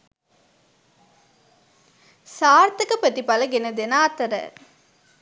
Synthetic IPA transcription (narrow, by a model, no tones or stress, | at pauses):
saːɾt̪ɐkɐpət̪ipɐlɐɡenɐd̪enaːt̪ɐɾə̰